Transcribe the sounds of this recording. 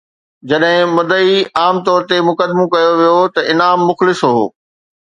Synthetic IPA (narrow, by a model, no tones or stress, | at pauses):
d͡ʑɐɗɦɪ̃mɐd̪əiaːmt̪ɔːɾt̪emʊkəd̪mõkɐjoʋijot̪ɐʔɪnaːmːʊxlɪsɦo̰ː